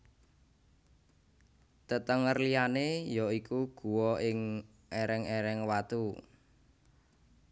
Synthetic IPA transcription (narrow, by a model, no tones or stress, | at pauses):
t̪ət̪əŋərlijanejɔikuɡ̥ṳwɔɪŋ | ʔeɾɛŋeɾɛŋwat̪u